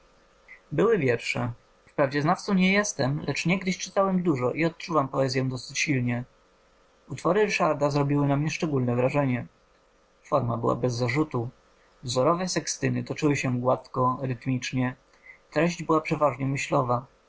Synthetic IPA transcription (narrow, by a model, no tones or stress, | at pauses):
bɘwɘvʲjɛɾʂɛ | fpɾavd͡ʑɛznaft̪sɔ̃ɲɛjɛst̪ɛmlɛt͡ʂɲɛɡd̪ɘɕt͡ʂɘt̪awɛmd̪uʐɔʔiɔt̪̚t͡ʂuvampɔɛzjɔ̃d̪ɔsɘ̥t͡ɕɕilɲɛ | ut̪fɔɾɘɾɘʂaɾd̪azɾɔbʲiwɘnamɲɛʂt͡ʂɛɡulnɛvɾaʐɛɲɛ | fɔɾmabɘ̰wa̰bɛzːaʐut̪u | vzɔɾɔvɛsɛkst̪ɘnɘt̪ɔt͡ʂɘwɘɕɛɡwat̪kɔɾɘt̪mʲit͡ʂɲɛ | t̪ɾɛʑd͡ʑbɘwapʂɛvaʐɲɛmɘɕlɔva